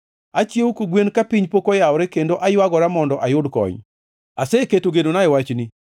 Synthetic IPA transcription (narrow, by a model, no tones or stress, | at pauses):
at͡ʃjewukoɡwenkapiɲpokɔjaɔɾɛkendoʔajwaɡɔɾamɔndɔʔajʊdkɔ̰ɲ | aseketoɡedonaewat͡ʃni